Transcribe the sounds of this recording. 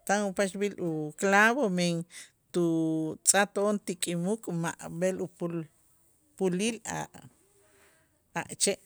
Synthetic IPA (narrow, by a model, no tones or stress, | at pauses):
t̪aŋupaʃbilʔuklaβomeŋ | t̪ut͡sʼat̪ont̪ikʼimukʼma̰ʔbelupu | pulila̰ | aʔt͡ʃeʔ